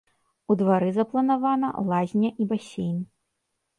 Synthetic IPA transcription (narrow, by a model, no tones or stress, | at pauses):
ud̪vaɾɨzɐplˠɐnavanɐ̰lˠazʲnʲɐʔibasʲejn